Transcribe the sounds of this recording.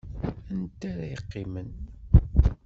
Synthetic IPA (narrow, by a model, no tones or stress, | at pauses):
ænt̪ːaɾæjəqːɪmən